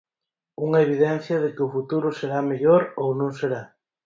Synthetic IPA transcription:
uŋaeβ̞iðɛn̟θjɐð̞ekɪʊfut̪uɾʊseɾameʎoɾownõŋseɾa

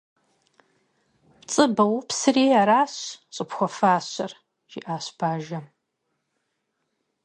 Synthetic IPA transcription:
pt͡sʼɨbɐwpsɨreːjaɾaːɕɕʼɪpxʷɔfaːɕɐr | ʒ̥ḭʔaːɕb̥aːʒɐ

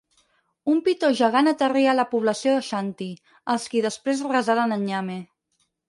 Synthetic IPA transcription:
umpit̪oʒəɣanət̪əriələpuβ̞ləsioðəʃant̪i | əlˠskiðəspɾezrəzaɾənəɲame

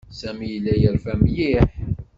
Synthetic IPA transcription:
sæmijəlːæjəɾfæmjiħ

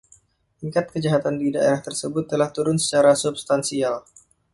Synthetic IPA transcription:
ʔiŋkat̪̚kəd͡ʒaɦat̪andidaeɾaht̪ərsəbʊt̪ːəlaht̪uɾʊnsə̥t͡ʃaɾasubst̪ansial

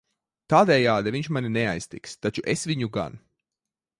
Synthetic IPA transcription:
t̪aːd̪ɛːjaːd̪aviɲʃmaninɛajst̪ḭkst̪at͡ʃuʔesviɲuɡa̰n

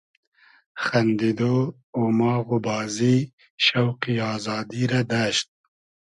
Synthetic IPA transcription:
xɐnd̪id̪o | omɑːɣubɑːzi | ʃɐwqiɑːzɑːd̪iɾad̪aʃt̪̚

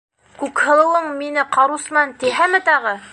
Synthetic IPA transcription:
kʉkhɤ̆lˠɤ̆wɤɴminɘqɑɾusmɑnt̪iɦæmɘ̆t̪ɑʁɤ

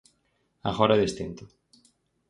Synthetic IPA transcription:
a̰ɣɔɾaðest̪ent̪ʊ

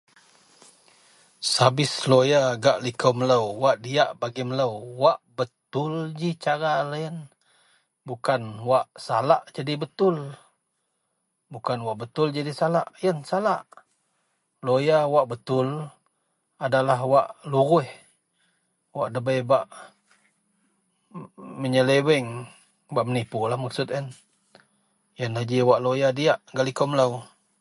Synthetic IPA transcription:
sabɪslojaɡaʔlikəwmələwwaʔdiaʔbaɡimələwwaʔbət̪ʊld͡ʒit͡ʃaɾalajən | bukanwaʔsalaʔd͡ʒadibət̪ʊl | bukanwaʔbət̪ʊld͡ʒadisalaʔjənsalaʔ | lojawaʔbət̪ʊl | adalaɦwaʔluɣʊh | waʔdəbəjbaʔ | məɲələwɛŋ | baʔmənipʊlahmaksʊt̪ən | jənad͡ʒiwaʔlojadiaʔɡalikɔmlaw

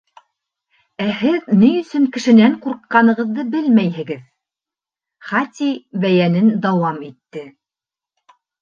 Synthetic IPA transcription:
æhɘðnijɵ̆sɵŋkɘ̆ʃɘ̆næɴquɾqːɑnɤ̆ʁɤ̆ðːɤbɘlmæjɦɘ̆ɡɘð | χɑt̪ʲibæjænɘnd̪ɑwɑmit̪ːɘ

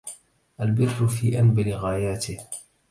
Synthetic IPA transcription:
ʔalbɪrːʊfiːʔanbɪlɪɣaːjaːt̪ɪh

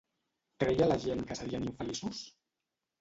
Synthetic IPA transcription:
kɾɛjalaʒenkəsəðianiɱfəlisus

